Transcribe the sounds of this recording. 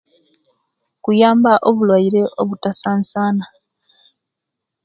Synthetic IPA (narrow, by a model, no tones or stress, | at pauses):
kujaːmbaʔoβulwaiɾe̞ʔoβutasaːnsaːna